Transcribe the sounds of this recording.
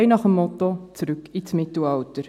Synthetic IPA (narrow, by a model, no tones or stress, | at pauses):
ɪnɑχəmːɔtot͡sɾʉkit͡smɪtl̩ɑltəɾ